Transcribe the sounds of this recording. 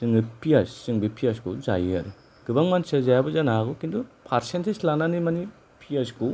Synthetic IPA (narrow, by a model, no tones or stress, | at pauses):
sɯŋɯpʰiassiŋbipʰiaskuzajiaɾɯ | ɡ̥ɯbaŋmansazajabɔzanaaɡɔkind̪upʰaɾsentʰeslananimani | pʰiasku